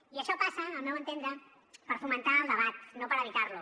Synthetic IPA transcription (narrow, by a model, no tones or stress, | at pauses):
iəʃɔpasəːlˠmewənt̪end̪ɾə | pəɾfumənt̪aːlˠd̪əβ̞at̪nopəɾəβit̪aɾlu